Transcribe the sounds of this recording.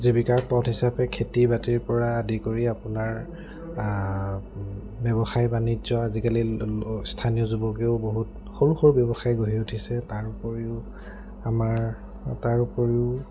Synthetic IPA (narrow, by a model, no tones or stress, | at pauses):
zibikaɹpɔtɦisapɛkʰetibatiɹpɔɹaːdikoɹiapʊnaɹ | bjɔbɔxajbanizɔazikalistʰanijɔzubɔkeʊboɦut | xoluxɔɹbjɔbɔxajɡoɦiutʰisɛtaɹupoɹiʊ | amaɹ | taɹupoɹiʊ